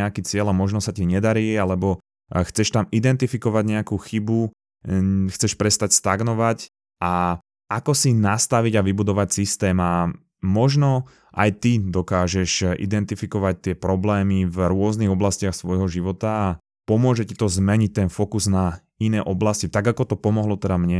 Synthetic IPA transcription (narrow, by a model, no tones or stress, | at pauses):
ɛakiːt͡sɪɛlamɔʒnɔsaciɲɛd̪aɾiːalɛbɔ | xt͡sɛʃt̪amid̪ɛnt̪ifikɔʋaɟɲɛakuːxibu | xt͡sɛʃpɾɛst̪acst̪aɡnɔʋac | a | akɔsinast̪aʋiɟaʋibud̪ɔʋacsist̪ɛːma | mɔʒnɔ | ʔa̰jt̪id̪ɔkaːʒɛʃḭd̪ɛnt̪ifikɔʋac̚t̪ɪɛpɾɔblɛːmivɾʊɔzniɣɔblascɪaxsʋɔjɦɔʒiʋɔt̪aː | pɔmʊɔʒɛcit̪ɔzmɛɲic̚t̪ɛnfɔkuzna | inɛːʔɔblascit̪aɡakɔt̪ɔpɔmɔɦlɔt̪ɛd̪amɲɛ